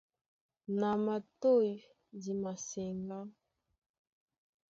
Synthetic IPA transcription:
na˨ma˨to˦˨j | di˨ma˨sɛ˨ŋɡa˦

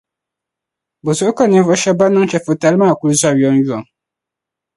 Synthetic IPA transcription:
bo˨so˦kɔ˦˨nɪ̃˦fʊ˦ɕɛ˦ba˦nʊ̃˦ŋ˦t͡ɕʰɛ˨fʊ˨ta˨˦lmã˦˨ku˦ɾza˦˨jɔ˦n˦ju˦ɔ̃˨ŋ

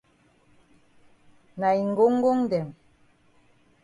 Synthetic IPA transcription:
na˨i˨ŋ̩˨ɡo˦ŋ˦ɡo˦ŋ˦dɛ˨m

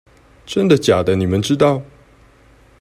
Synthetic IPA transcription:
ʈ͡ʂə˦nd̪ə˨t͡ɕja˨˩d̪ə˦ni˨˩mə˨˦nʈ͡ʂɻ̩˦t̪ɑ˥˨ʊ

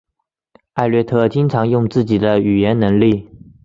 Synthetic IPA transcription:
a˥˧ɪlɥɛ˥˧t̪ʰɤ˥˩t͡ɕi˥ŋʈ͡ʂʰɑ˧˥ŋjʊ˥˧ŋt͡sɹ̩˥˩t͡ɕi˨˩d̪ə˦y˨˩jɛ˧˥nnɤ˧˥ŋli˥˩

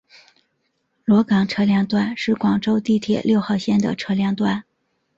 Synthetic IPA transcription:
lwɔ˧˥kɑ˨˩ŋʈ͡ʂʰɤ˥ljɑ˥˧ŋt̪wa˥˧nʂɻ̩˥˩kwɑ˨˩ŋʈ͡ʂo˥ʊt̪i˥˩t̪ʰjɛ̰˨˩ljo˥˧ʊxɑ˥˧ʊɕjɛ˥˩nd̪ə̰˩ʈ͡ʂʰɤ˥ljɑ˥˧ŋt̪wa˥˩n

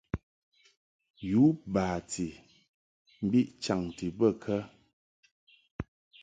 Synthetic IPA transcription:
ju˨˦baː˨ti˨ | m̩˦bi˦ʔt͡ʃa˨ŋti˨bə˦˨kʰə˦

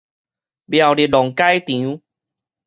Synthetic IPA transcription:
bja˨˩wli˨˩lɔ˨ŋka˦jt̪ĩ˨u˦

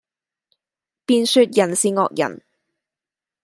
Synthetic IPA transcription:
piː˨˧nsyː˧t̚jɐ˨˩nsiː˨ŋɔ̰ː˨k̚jɐ̰˨˩n

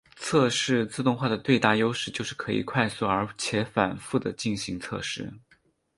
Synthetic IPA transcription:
t͡sʰɤ˥˧ʂɻ̩˥˧t͡sɹ̩˥˧t̪ʊ˥˧ŋxwa˥˩d̪ə˩t̪we˥˧ɪt̪a˥˩jo˥ʊʂɻ̩˥˩t͡ɕjo˥˧ʊʂɻ̩˥˩kʰɤ˧˥ḭ˨˩kʰwa˥˧ɪsu˥˩ə˞˧˥t͡ɕʰjɛ˧˥fa˨˩nfu˥˩d̪ə˩t͡ɕi˥˩nɕi˧˥ŋt͡sʰɤ̰˥˧ʂɻ̩˥˩

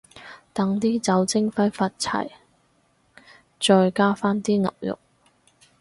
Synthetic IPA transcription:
t̪ɐ˨˥ŋt̪iː˥t͡sɐ˨˥wt͡sɪ˥ŋfɐ˥jfaː˧t̚t͡sʰɐ̰˨˩j | t͡ʃɔː˧jkaː˥faː˥nt̪iː˥ŋɐ̰˨p̚jʊ̰˨k̚

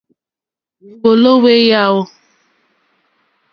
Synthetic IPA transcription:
u˨wo˨lo˦we˦ja˦wʊ˦

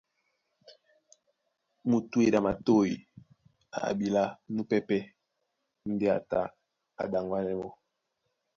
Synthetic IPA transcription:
mu˨tu˦e˨da˨ma˨to˦˨i˨ | a̰˨bi˨la˦nu˦pɛ˦pɛ˦ | n̩˦dɛ˦a̰˨ta̰˦ | a̰˨da˨ŋɡwa˦nɛ˦mɔ˦

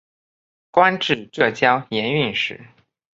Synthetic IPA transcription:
kwa˥nʈ͡ʂɻ̩˥˩ʈ͡ʂɤ˥˩t͡ɕjɑ˥ʊjɛ˧˥ny˥˩nʂɻ̩˨˩˦

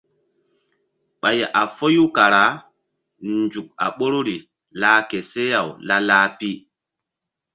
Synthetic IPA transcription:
ɓa˨ja˨ʔa˨fo˦ju˦ka˨ɾa˨˦ | nd͡ʒu˨k̚a̰˨ɓo˦ɾu˦ɾi˨ | laː˦ke˨se˦ja˨wla˦laː˦pi˦

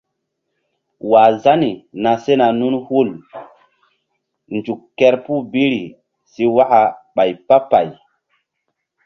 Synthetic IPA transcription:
wa˨za˦ni˨na˨se˦na˨nu˦nhu˦˨l | nd͡ʒu˨kkːɛ˦ɾpu˦bi˦ɾi˨ | si˦wa˦ka˨ɓa˨jpa˦pa˨j

